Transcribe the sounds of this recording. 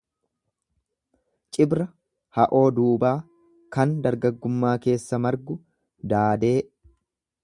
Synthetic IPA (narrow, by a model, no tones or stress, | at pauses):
t͡ʃʼɪbɾɐ | hɐʔo̞ːd̪uːbaː | kɐnd̪ɐɾɡɐɡːʊmːaːke̞ːsːɐmɐɾɡʊ | d̪aːd̪e̞ː